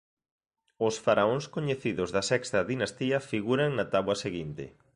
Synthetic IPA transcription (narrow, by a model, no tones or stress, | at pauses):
ʊsfaɾaõŋskoɲeθiðʊzðɐsɛkst̪ɐðinast̪iɐfiɣuɾaŋnat̪aβwɐseɣint̪ɪ̰